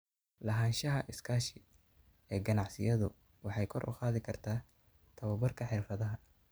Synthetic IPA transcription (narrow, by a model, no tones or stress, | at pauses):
lɐɦaːnʃɐɦɐʔɪskʰaːʃɪ | ɛːɡɐnɑʕsɪjɐðʊ | wɑħɑjkʰɔrʔʊ̰qaːðɪkʰɐrt̪ʰaː | t̪ʰɐwɐbɐrkʰɐħɪrfɐðɐɦɐ